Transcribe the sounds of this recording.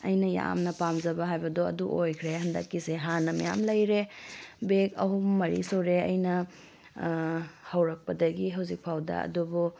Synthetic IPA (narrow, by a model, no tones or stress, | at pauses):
ɐ̰jnɐja̰mnɐpamd͡ʒɐbɐɦajbɐdoɐ̰duʔojkʰɾeɦɐndɐkːiseɦanɐmɐja̰mlɐjɾebekɐ̰ɦumːɐɾḭsoɾeɐ̰jnɐ | hɐwɾɐk̚pɐdɐɡiɦɐwzik̚pʰawdɐ̰ɐ̰dubu